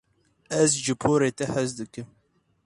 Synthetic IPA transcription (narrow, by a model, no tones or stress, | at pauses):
ɛzʒɨpʰoːɾeːt̪ɛhɛzd̪ɨkɨm